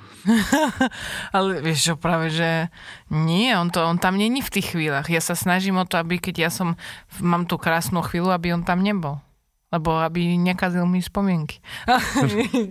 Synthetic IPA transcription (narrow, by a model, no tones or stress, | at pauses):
alɛʋɪɛʃt͡ʃɔpɾaːʋɛʒɛɲɪɛɔnt̪ɔɔnt̪amɲɛɲift̪iːxːʋiːlaɣjasasnaʒimɔt̪ɔabikɛɟjasɔmmaːmt̪uːkɾaːsnuːxʋiːluabiɔnt̪amɲɛbɔl | lɛbɔabiɲɛkazilmiɛspɔmɪɛŋki̥a